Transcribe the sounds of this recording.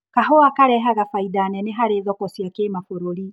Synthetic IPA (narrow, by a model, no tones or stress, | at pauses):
kaɦoakaɾɛɦaɣafaidanɛneɦaɾeðɔkɔsiakeːmafoɾoɾi